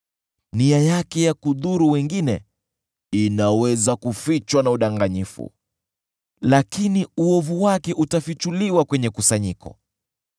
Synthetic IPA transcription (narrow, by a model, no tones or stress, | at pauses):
niajakɛjakuðuɾuwɛŋɡinɛ | inawɛzakufit͡ʃwanauɗaŋɡaɲifṵ | lakiniuɔvuwakɛʔutafit͡ʃuliwakwɛɲɛkusaɲikɔ̰